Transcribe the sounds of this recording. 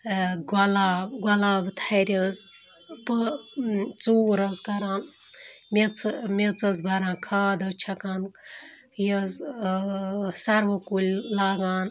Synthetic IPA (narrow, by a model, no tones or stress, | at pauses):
ɡɐlaɡɐlaːbɨt̪ʰaɾʲəz | pə | t͡suːɾɐzɡɐɾãːn | met͡sʰmʲet͡sɐzbʱɐɾãːnkʰaːd̪ɐt͡ʃʰɐkan | jɐz | sɐɾʋɐkulʲlaːɡaːn